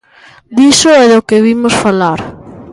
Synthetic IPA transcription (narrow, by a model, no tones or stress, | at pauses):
d̪isʊɛðokɪβimʊsfalaɾ